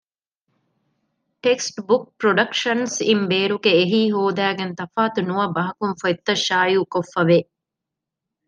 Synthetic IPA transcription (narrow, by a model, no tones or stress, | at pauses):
ʈeksʈbuk̚pɾoɖɐkʃɐnsimbeːɾuɡeːɦiːɦoːd̪æːɡent̪ɐfaːt̪unuɐbɐɦɐkunfoet̪ːɐʃaːjuːkofːɐʋe